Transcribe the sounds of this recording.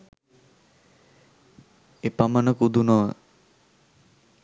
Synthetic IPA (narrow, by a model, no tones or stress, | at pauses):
epamənəkud̪unɔʋə̰